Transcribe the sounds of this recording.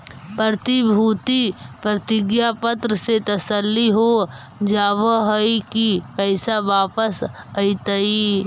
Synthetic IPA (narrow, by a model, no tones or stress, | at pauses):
pət̪ibʱuːt̪ipɾət̪ɪɡjapət̪ɾəset̪əsəlːiɦo | d͡ʒaːʋəɦəikipəɪsaʋaːpəs | əɪt̪əi